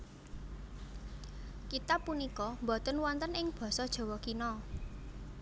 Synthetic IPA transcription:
kit̪apunikɔmbɔt̪ənwɔnt̪ənɪŋb̥ɔ̤sɔd̥ʒ̥ɔ̤wɔkinɔ

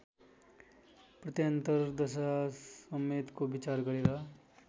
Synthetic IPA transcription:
pɾət̪ijə̃nt̪əɾd̪əʃasəmeːt̪kobɪt͡ʃaːɾɡəɽiɾaː

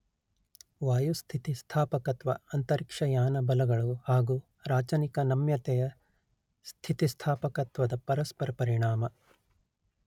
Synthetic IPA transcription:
ʋaːjust̪ʰit̪ist̪ʰaːpɐkɐt̪ʋɐ̰ɐnt̪ɐɾikʂɐjaːnɐbɐlɐɡɐɭuhaːɡuː | ɾaːt͡ʃɐnikɐnɐmjɐt̪ɛjɐ | st̪ʰit̪ist̪ʰaːpɐkɐt̪ʋɐd̪ɐpɐɾɐspɐɾɐpɐɾiɳaːmɐ

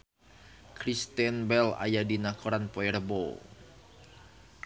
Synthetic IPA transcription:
kɾist̪ɛnbɛla̰jadinakʰoɾanpoɛrbo

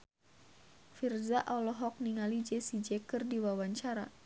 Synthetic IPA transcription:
firzaʔalɔɦɔk̚niŋalid͡ʒɛsid͡ʒɛkərdiwawaɲt͡ʃaɾa̰

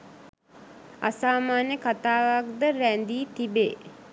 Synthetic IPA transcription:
a̰saːmaːnjəkat̪aːʋak̚d̪əɾænd̪iːt̪ibeː

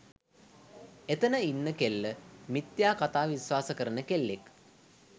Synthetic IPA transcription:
et̪ənəinːəkelːəmit̪jaːkat̪aːʋisʋaːsəkəɾənəkelːek

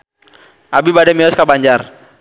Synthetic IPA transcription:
ʔabibadɛmiɔskabaɲd͡ʒar

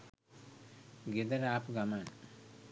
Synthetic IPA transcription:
ɡed̪əɾapɡaman

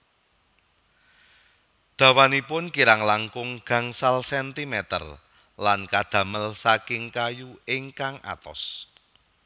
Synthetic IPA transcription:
d̪̥ä̤wanipʊnkiɾaŋlaŋkʊŋɡ̥ä̤ŋsalsɛnt̪imɛt̪ə̰r | lankad̪̥ä̤məlsakɪŋkajuɪŋkaŋʔa̰t̪ɔ̰s

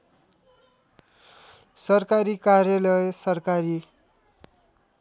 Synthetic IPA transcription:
sʌrkaɾikarjʌlʌjsʌrkaɾi

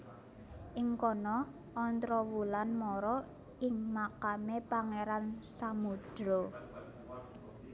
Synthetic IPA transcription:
ʔɪŋkɔnɔː | nt̪ɾɔwulanmɔɾɔ | ɪŋmakamepaŋeɾansamud̥ɾo

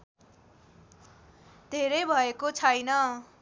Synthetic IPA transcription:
d̪ʱeɾʌjbʱʌekot͡sʰʌjnʌ

